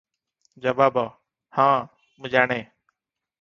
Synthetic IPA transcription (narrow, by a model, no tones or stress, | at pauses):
d͡ʒəʋaːbaː | hãː | mũːd͡ʒaːɳeː